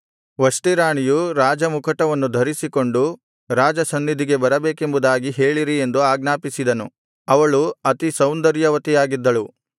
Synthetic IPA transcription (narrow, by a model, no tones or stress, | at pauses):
ʋɐsʈiɾaːɳijuɾaːd͡ʒɐmukʰɐʈɐʋɐnːud̪ʱɐɾisiko̞ɳɖu | ɾaːd͡ʒɐsɐnːid̪ʱiɡe̞bɐɾɐbeːke̞mbud̪aːɡiɦe̞ːɭiɾie̞nd̪uaːɡnaːpisid̪ɐnu | ɐʋɐɭuɐt̪isɐwnd̪ɐɾjɐʋɐt̪ijaːɡid̪ːɐɭu